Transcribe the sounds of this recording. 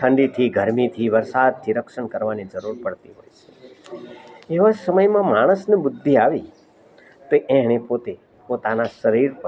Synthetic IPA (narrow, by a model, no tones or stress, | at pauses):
ʈʰə̃ɳɖit̪ʰiɡʱəɾmit̪ʰiʋəɾsad̪̚t̪ʰiɾəkʃəɳkəɾʋanid͡ʒəɾuɾpəɽt̪iɦo̰jt͡ʃʰe̥ | eʋasəməjmãmaɽ̃əsnebʊd̪ʱːiaʋi | t̪oʔɛ̃ɦɽ̃epot̪e | pot̪anaʃəɾiɾpə